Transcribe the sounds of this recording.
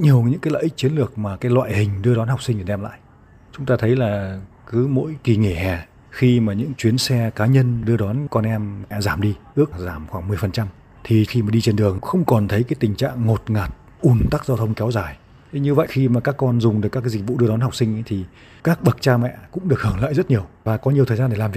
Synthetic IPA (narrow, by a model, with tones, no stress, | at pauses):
ɲi˨˩əwɲɨ̰˧˥kaː˨˦jlə̰˧˨ʔi˦˥k̚t͡ɕi˨˦ənlɨ˨˩ək̚maː˨˩kaː˨˦jlwa̰ː˧˨jhï˨˩ŋ̟ɗɨ˧əɗɔ˨˦nha˨˩k͡p̚sï˧ŋt̪ʰːɗɛ˧mla̰ː˧˨j | t͡ɕʊ˨˦ŋ͡mt̪aː˧t̪ʰə˨˦jlaː˨˩ | kɨ˨˦mo̰˧˥jki˨˩ŋe˧˩hɛ˨˩ | xi˧maː˨˩ɲɨ̰˧˥ŋt͡ɕwi˨˦ənsɛ˧kaː˨˦ɲə˧nɗɨ˧əɗɔ˨˦nkɔ˧nʔɛ˧mɛ̰˧˨zaː˧˩mɗi˧ʔɨ˦˥ək̚zaː˧˩mxwaː˧˩ŋmɨ˨˩əjfə˨˩nt͡ɕa˧m | t̪ʰi˨˩xi˧maː˨˩ɗi˧t͡ɕe˧nɗɨ˨˩əŋxə˧wŋ͡mkɔ˨˩nt̪ʰə˨˦jkaː˨˦jt̪ï˨˩ŋ̟t͡ɕa̰ː˧˨ŋːo˨˩t̚ŋaː˨˩t̚ | ʔu˨˩nt̪a˦˥k̚zaː˧wt̪ʰə˧wŋ͡mkɛ˨˦wzaː˧˩jʰ | ɲɨ˧və̰˧˨jxi˧maː˨˩kaː˦˥kːɔ˧nzʊ˨˩ŋ͡mɗɨ˨˩kːaː˦˥kːzï˨˩k̚vṵ˧˨ɗɨ˧əɗɔ˨˦nha˨˩k͡p̚si˧ŋ̟ʔə˨˦jt̪ʰi˨˩ | kaː˦˥k̚ɓə˨˩k̚t͡ɕaː˧mɛ̰˧˨kʊ̰˧˥ŋ͡mɗək̚hɨː˧˩ŋla̰ː˧˨jzə˦˥t̚ɲi˨˩əwvaː˨˩kɔ˨˦ɲi˨˩ət̪ʰːzaː˧ɗe˧˩laː˨˩mv̚